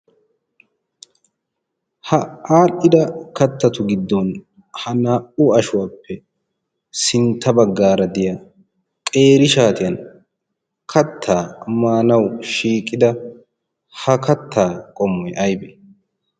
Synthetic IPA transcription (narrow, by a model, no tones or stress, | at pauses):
hɐaːʔɪd̪ɐkɐt̪ːɐt̪ʊɡɪd̪ːɔn | hɐnaːʔʊɐʃʊwaːpːɛ | sɪnt̪ʰːɐbɐɡːaːɾɐd̪ɪja | kʼe̞ːɾɪʃaːt̪ɪjɐn | kʰɐt̪ʰːaːmaːnɐwʃiːkʼːɪd̪ɐ | hɐkɐt̪ʰːaːkʼɔmːɛʔɐjbɛ